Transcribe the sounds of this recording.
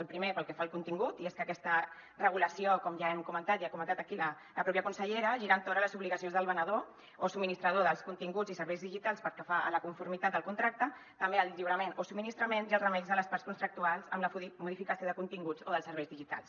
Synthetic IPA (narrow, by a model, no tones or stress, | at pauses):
əlˠpɾimepəlˠkɛfaəlkunt̪iŋɡut̪ieskəkɛst̪ə | rəɣ̞uləsiokɔmʒaɛmkumənt̪at̪iakumənt̪at̪əkilə | ləpɾɔpjəkunsəʎɛɾəʒiɾant̪oɾələzuβliɣəsionzðəlˠβənəðo | osubminist̪ɾəðoðəlˠskunt̪iŋɡud͡zzisəɾβɛjzðiʒit̪alˠspəɾkɛfaʔə̰ləkuɱfuɾmit̪at̪d̪əlˠkunt̪ɾak̚t̪ə | t̪əmbeəlˠʎiwɾəmenosub̚minist̪ɾəmenziəlˠzrəmɛʎzðələspaɾtskunt̪ɾək̚t̪ualˠzə̰mləmuðifikəsioðəkunt̪iŋɡud͡zoðəlˠsəɾβɛjzðiʒit̪a̰lˠs